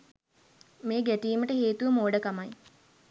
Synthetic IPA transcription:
meːɡæʈiːməʈəheːt̪uʋəmoːɖəkamɐj

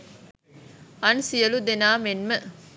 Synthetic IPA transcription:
ɐnsijəlud̪enaːmenmə

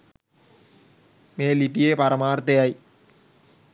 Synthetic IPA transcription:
meːliʈːijeːpɐɾɐmaːɾt̪ːɐjaːji

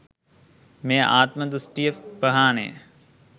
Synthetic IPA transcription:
meːʔa̰ːt̪məd̪ɾusʈijəfpəɦaːnḛj̰

